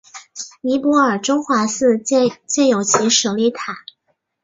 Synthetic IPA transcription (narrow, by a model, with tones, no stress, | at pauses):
ni˧˥pwɔ˧˥ə˞˨˩ʈ͡ʂo˥ŋxwa˧˥sɹ̩˥˧t͡ɕɛ˥˩t͡ɕjɛ˥˩njo˨˩ʊt͡ɕʰi˧˥ʂɤ˨˩li˧˥t̪ʰa˨˩˦